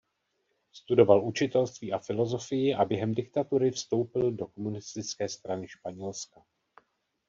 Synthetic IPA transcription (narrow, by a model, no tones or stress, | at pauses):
st̪udo̞valʔut͡ʃɪt̪ɛlst̪viːʔafɪlo̞zo̞fɪjɪʔabjɛɦɛmdɪk̚t̪at̪uɾɪfst̪o̞wpɪldo̞ko̞munɪst̪ɪt͡skɛːst̪ɾanɪʃpaɲɛlska